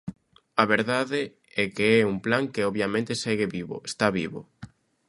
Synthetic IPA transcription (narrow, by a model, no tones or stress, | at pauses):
ɐβeɾðaðɪ | ɛkeɛumplaŋkeɔβjamẽnt̪esɛɣɪβiβo̰est̪aβiβo̰